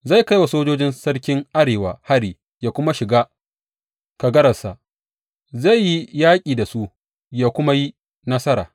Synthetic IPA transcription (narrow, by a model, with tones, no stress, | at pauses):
za˦˨ka˦jwa˨soː˦d͡ʒoː˦d͡ʒɪ˦nsɐ˦rkʲɪ˦ŋʔa˦ɾeː˨waː˨ha˦ɽiː˨ | jaː˦kʷʊ˦ma˦ʃɪ˨ɡaː˦ | ka˨ɡɐ˦ɾɐ˨sa˨ | za˦˨jːi˦jaː˦kʲʼiː˨da˨su˦ | jaː˦kʷʊ˦ma˦ji˦ | nɐ˦sɐ˦ɾa̰ː˨